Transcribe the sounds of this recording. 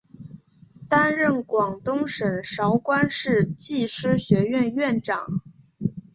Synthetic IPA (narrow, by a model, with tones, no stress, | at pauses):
t̪a˥nɻə˥˩nkwɑ˨˩ŋt̪ʊ˥ŋʂə˨˩nʂɑ˧˥ʊkwa˥nʂɻ̩˥˧t͡ɕi˥˩ʂɻ̩˥ɕɥɛ˧˥ɥɛ˥˧nɥɛ˥˩nʈ͡ʂɑ˨˩˦ŋ